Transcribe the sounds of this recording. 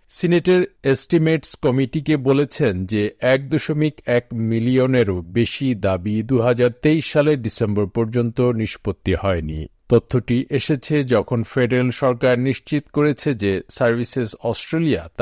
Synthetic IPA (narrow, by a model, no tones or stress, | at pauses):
sineʈeɾesʈimeʈskɔmiʈikebolet͡ɕʰend͡ʑeɛk̚d̪oʃomikɛkmilioneɾobeʃid̪abid̪uɦad͡ʑaɾt̪eiʃːaleɾɖisemboɾpɔɾd͡ʑont̪oniʃpot̪ːihɔenḭt̪ot̪ʰːoʈiʔeʃet͡ɕʰed͡ʑɔkʰonfeɖeɾelʃɔɾkaɾniʃt͡ɕit̪koɾet͡ɕʰed͡ʑesaɾbʱisesɔsʈɾeliat̪